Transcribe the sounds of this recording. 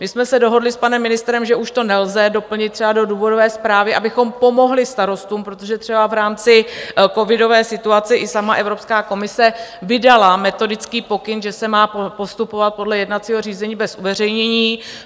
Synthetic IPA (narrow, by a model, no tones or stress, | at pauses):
mɪsmɛsɛdo̞ɦo̞dlɪspanɛmːɪnɪst̪ɾɛmʒɛʔuʃt̪o̞nɛlzɛdo̞pl̩ɲɪt̪̚ːr̥ɛbado̞duːvo̞dovɛːspɾaːvɪʔabɪxo̞mpo̞mo̞ɦlɪst̪aɾo̞st̪uːmpɾot̪o̞ʒɛt̪r̥ɛbavɾaːmt͡sɪko̞vɪdo̞vɛːsɪt̪uat͡sɛʔɪsamaʔɛvɾo̞pskaːko̞mɪsɛvɪdalamɛt̪o̞dɪt͡skiːpo̞kɪnʒɛsɛmaːpopo̞st̪upo̞vat̪̚po̞dlɛjɛdnat̪t͡siːɦor̝iːzɛɲiːbɛsʔuvɛr̝ɛjɲɛɲiː